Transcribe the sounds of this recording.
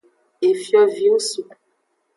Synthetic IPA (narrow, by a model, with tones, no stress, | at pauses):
e˨fjɔ˨vi˨˦u˦su˨